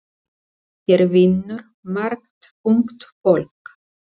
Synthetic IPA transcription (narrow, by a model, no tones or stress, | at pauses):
çɛɾvɪnːʏɾ̥ | maɾk̚t̪ | uŋkt̪folk